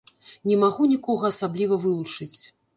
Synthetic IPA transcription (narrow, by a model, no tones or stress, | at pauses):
nʲɛmaɣunʲikɔɣɐːsablʲivɐvɨlˠut͡ʂɨt͡sʲ